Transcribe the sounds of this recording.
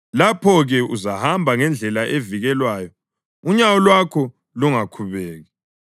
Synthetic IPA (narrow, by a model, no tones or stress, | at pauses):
lapʰɔɣɛuzahambʱaŋɛnd͡ɮʱɛlaʔeviɣɛlwaːjɔ | uɲawɔlwakʰɔ | luŋakʰuβɛːɣɛ